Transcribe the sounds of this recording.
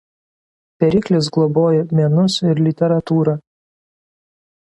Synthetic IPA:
t̪ʲɛɾʲiːklʲɪs̬ɡlˠɔboːjɛmʲɛnʊsɪɾlʲɪt̪ʲɛɾɐt̪uːɾɐː

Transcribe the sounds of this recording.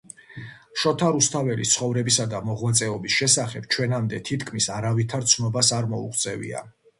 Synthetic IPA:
ʃɔt̪ʰaɾust̪ʰavɛlist̪sʰχɔvɾɛbisad̪amɔʁwat̪sʼɛɔbisʃɛsaχɛb̥̚t͡ʃʰwɛnamd̪ɛt̪ʰit̪ʰkʰmisaɾavit̪ʰaɾt̪sʰnɔbasaɾmɔṵqʰʼt̪sʼɛvḭa̰

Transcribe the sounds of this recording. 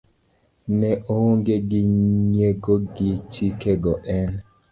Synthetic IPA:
nɛʔooŋɡeɡiɲeɡoɡit͡ʃikeɡɔʔɛn

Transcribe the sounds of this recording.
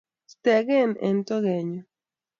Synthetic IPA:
st̪eɣenḛnt̪oɣeɲo

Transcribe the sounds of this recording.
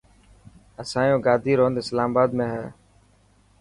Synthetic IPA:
əsãːjõːɡaːd̪ʱiːɾoːnd̪ɪslaːmbaːd̪mẽːɦɛː

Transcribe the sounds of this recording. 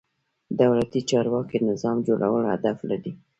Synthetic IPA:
d̪awlat̪it͡ʃɑɾwɑkinɪzɑmd͡ʒoɽawəlha̰d̪aflaɾi

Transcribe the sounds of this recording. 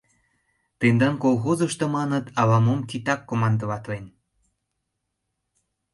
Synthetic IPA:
t̪end̪ɑnkolˠɣozəʃt̪omɑnət̪ɑlɑmomkit̪ɑkːomɑnd̪əβɑt̪len

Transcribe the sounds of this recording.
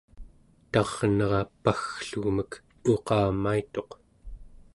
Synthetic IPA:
t̪ɑʁnʌʁɑpaxɬuɣmək | oqɑːmait̪o̞q

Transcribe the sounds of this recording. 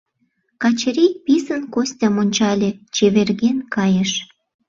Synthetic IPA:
kɑt͡ɕeɾik̚pisənkosʲtʲɑmonʲt͡ɕɑlʲĕt͡ɕeβerɣenkɑjeʃ

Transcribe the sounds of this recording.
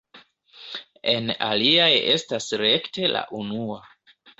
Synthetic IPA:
e̞na̰liaje̞̰stasɾe̞kte̞la̰ʔunua

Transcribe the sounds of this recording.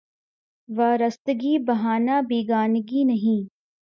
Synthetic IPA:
ʋaːɾɐst̪ɡiːbɐɦaːnaːbiːɡaːnɡinɐɦĩː

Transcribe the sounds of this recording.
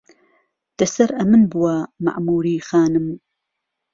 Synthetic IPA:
d̪̥ɐsɐɾʔɐmɨnbɨwama̰ʔmuːɾiːxaːnɨm

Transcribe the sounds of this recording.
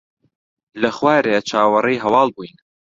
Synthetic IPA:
lɐχwaːɾet͡ʃʰaːwɐrejɦɐwɑːlˠbujn

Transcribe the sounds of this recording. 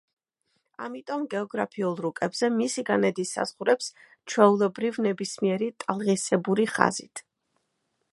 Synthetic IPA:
a̰mit̪ʼɔmɡɛɔɡɾapʰiulˠɾukʼɛbz̥ɛmisiɡanɛd̪isa̰z̥ʁuɾɛps | t͡ʃʰwɛulˠɛbɾivnɛbismiɛɾit̪ʼalˠʁisɛbuɾiχa̰zit̪ʰ

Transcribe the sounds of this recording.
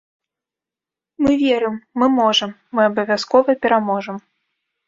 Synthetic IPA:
mɨvʲeɛɾɨmːɨmɔʐɐmːɨabɐvʲaskɔvɐpʲɛɾamɔʐɐm

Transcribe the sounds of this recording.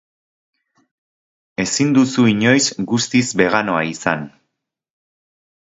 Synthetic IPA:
e̞sind̪usuiɲo̞jsɡust̪izbe̞ɣano̞aisan

